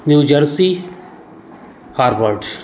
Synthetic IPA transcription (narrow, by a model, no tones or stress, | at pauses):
njuːd͡ʒəɾsi | haːɾʋəɾɖ